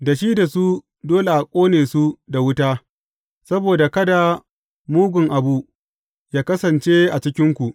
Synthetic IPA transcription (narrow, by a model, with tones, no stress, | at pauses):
da˨ʃiː˦da˨su˦ | doː˦le˨ʔa˨kʷʼoː˦neː˨su˦da˨wʊ˦taː˦ | sɐ˦boː˨da˨kɐ˦da˨ | muː˦ɡʷʊ˨ŋʔa˨bu˦ | jaː˦kɐ˦sɐ˨nt͡ʃe˦ʔa˨t͡ʃɪ˦kʲɪ˦ŋkʷu˨ʔ